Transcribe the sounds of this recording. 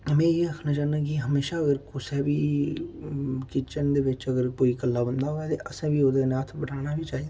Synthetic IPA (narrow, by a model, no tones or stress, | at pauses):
mɛ̃ːjeːəkʰnaːt͡ʃaːnãːk̬iɦəmeːʃaːəɡəɾkʊsɛːbiː | kɪt͡ʃənd̪eːʋɪt͡ʃəɡəɾkoːiːkəlːaːbənd̪aːɦoːaːt̪eʔəsẽːbiːoːd̪eːnaːt̪ʰbəɽaːnaːbʱiːt͡ʃaːɦiːd̪a